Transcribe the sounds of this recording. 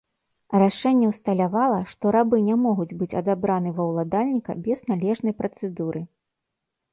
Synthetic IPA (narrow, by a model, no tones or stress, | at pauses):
raʂɛnʲːɛwst̪ɐlʲavalˠɐʂt̪ɔɾabɨnʲɛmɔɣud͡zʲbɨt͡sʲɐd̪abɾanɨvɐwlˠad̪alʲnʲikɐ̰bʲɛznalʲɛʐnɐjpɾɐt̪sɛd̪uɾʔɨ